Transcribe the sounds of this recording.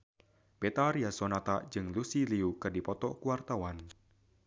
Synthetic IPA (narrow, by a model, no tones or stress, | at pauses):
bet̪aɾiasɔnat̪ḁd͡ʒɨŋlusiliukɨrdipɔt̪ɔkuwart̪awan